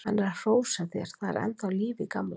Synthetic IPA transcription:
hanːɛɾar̥oːwsaθjɛɾ̥θað̰ɾɛ̰nt̪awliːvɪkaml

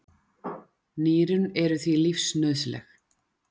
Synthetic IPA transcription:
niːɾʏnɛɾʏθvilifsnœðslɛ̰x

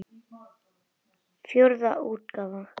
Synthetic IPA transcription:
fjoɾðaʔuːt̪̚kaːva

